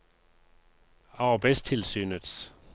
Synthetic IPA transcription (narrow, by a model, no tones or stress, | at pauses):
ɑbɛstʰɪlsyːnəd̪s